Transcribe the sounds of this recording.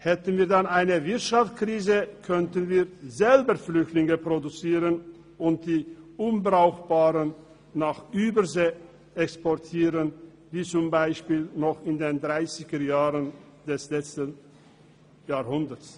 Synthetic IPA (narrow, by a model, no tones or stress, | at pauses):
hɛtən̩viːɐdanaɪnəvɪɐtʃaft͡skʁ̥iːzəkʰœntənviːɐzɛlbəflʏçtlɪŋəpʁ̥odut͡siːʁən | ʔʊnt̚d̥iːʔʊnbʁaʊxb̥aːʁənː | aːχʔyːbəzeː | ʔɛkspɔɐtʰiːʁən | viːt͡sʊmbaɪʃpiːlnɔχɪndeːndʁaɪsɪɡəjaːʁənd̥ɛslɛt͡stən | jaːhʊndət͡s